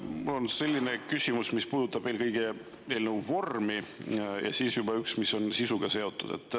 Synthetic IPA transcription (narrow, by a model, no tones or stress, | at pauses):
mulːo̞nse̞lʲːine̞kysʲimusmispuːd̪ut̪ːˑɑb̥ve̞ːlkɤjɡ̥e | e̞ːlnewvo̞rmijɑ̰siːsjub̥ɑyksmiso̞nsisuɡ̥ɑse̞o̞t̪ːˑud̪̥e̞̰t̪ˑː